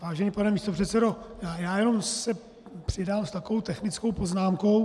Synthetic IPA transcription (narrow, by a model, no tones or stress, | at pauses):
vaːʒɛɲipanɛmiːst̪o̞pr̥ɛt̪t͡sɛdo̞jaːjaːjɛno̞msɛ | pr̝̥ɪdaːmst̪akovo̞wt̪ɛxnɪt͡skowpo̞znaːmko̞w